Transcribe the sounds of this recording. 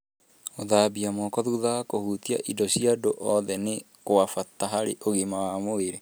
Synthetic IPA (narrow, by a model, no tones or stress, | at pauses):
oðaːbiamokɔðuðakohut̪ia̰ʔidɔsiadoʔɔðɛne | koafataɦaɾeʔoɣimawamoeɾe